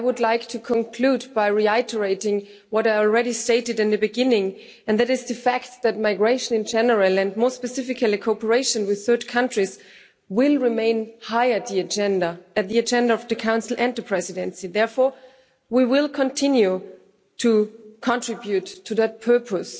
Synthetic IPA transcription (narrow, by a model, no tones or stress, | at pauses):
aɪwʊdˡlaɪktʰɨkʰə̃nkʰl̥udbaɪɹiɪtə˞eɪɾɪ̃ŋ | wʌɾaɪl̩ˠɹɛɾisteɪɾɨɾɨ̃nðɨbɨɡɪ̃nɪ̃ŋ | ɨ̃ndðæɾɨzðɨfækt̪̚ðɨt̚maɪɡɹeɪʃɨ̃nɨ̃nd͡ʒɛnə˞əlˠɨ̃ndmɔspɨsɪfɨkʰəlˠɨkʰopə˞eɪʃɨ̃nwɪð̥θɜ˞tkʰʌ̃ntɹ̥iz | wɪlˠɹɪmẽɪ̃nhaɪɨt̪̚ðiɨd͡ʒɛ̃ndəɨt̪̚ðiɨd͡ʒɛ̃ndaʌvðɨkʰãʊ̃nsl̩ˠʔɨ̃nðɨpʰɹ̥ɛzɨɾɨ̃nsiðɛɹfɔɹ | wiwɪlˠkʰə̃ntʰɪ̃njʉ | tʰukʰɑ̃ntʰɹ̥ɪbjʉtʰːɨðɨt̚pʰɜ˞pʰəs